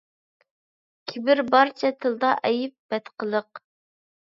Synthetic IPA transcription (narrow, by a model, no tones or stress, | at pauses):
kʲʰɪbɪɾbɑɾt͡ʃʰɛt̪ʰɨlˠd̪ɑʔɛjip̚b̥ɛt̪qʰəlˠəq̚